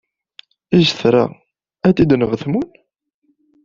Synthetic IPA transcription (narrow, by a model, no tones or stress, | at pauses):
izθɾˤa̰ | æt̪ːid̪nəʁθmun